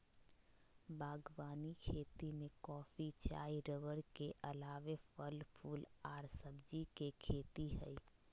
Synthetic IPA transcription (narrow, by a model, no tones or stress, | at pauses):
baːɡwaːnikʰeːt̪imẽkɔːfit͡ʃa̰ːiɾəʋəɾkeʔəlaːʋepʰəlpʰuːlaːɾsəbd͡ʒikekʰeːt̪iɦɛi